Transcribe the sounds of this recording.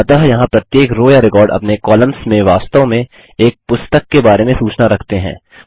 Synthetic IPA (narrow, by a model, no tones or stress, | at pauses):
pɐt̪aɦjɐɦãpɾɐt̪jeːkɾoːjaɾɪkɔːɾɖɐ̰pnekɔːlə̃msmẽʋaːst̪əʋ̃mẽ | eːk̚pʊst̪əkːebaːɾemẽsuːt͡ʃnaɾɐkʰt̪eɦɛ̰̃ː